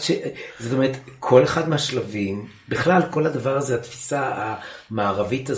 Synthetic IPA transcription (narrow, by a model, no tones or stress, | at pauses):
ʃezo̞t̪̬o̞me̞et̪kʰo̞leχad̪meɦaʃlavim | biχlalko̞lhad̪avaʁazeat̪fi̥saamaːʁavita